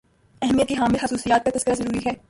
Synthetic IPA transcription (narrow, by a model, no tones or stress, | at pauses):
ɛɦmijət̪kiɦaːmɪlxɐsuːsijaːt̪̚kat̪ɐskəɾazɐɾuːɾiɦɛː